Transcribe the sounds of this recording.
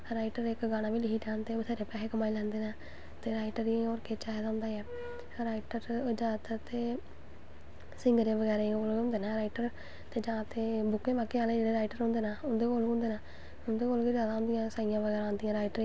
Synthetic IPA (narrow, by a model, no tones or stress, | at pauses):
ɾaːɪʈəɾekɡaːɽ̃ãːʋiːlɪiːʈãːnt̪eːʋt̪ʰaːɾeːpɛːɦeːkəmaːilɛ̃ːnd̪eːnaː | t̪eːɾaːɪʈəɾioːɾket͡ʃaːed̪aʊ̃ːnd̪aːɛː | ɾaːɪʈəɾd͡ʒãːt̪t̪eː | sɪŋɡəɾẽːʋəɡɛːɾẽoːlõːnd̪eːnãːɾaːɪʈəɾ | t̪eːd͡ʒãːt̪eːbʊkːẽːbaːkeːaːlẽːd͡ʒeːɽeːɾaːɪʈəɾɦõːnd̪eːnaːʊnd̪eːkoːlʊ̃nd̪eːnãː | ʊnd̪eːkoːlkizjaːd̪aõnd̪ɪjãːsaːɪjãːʋəɡɛːɾãːoːnd̪ɪjãːɾaːiʈəɾi